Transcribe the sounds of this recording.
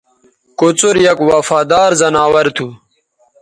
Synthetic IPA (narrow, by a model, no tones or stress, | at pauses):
kot͡suɾjɐkwafaːd̪aːɾzɐnaːwɐɾt̪ʰu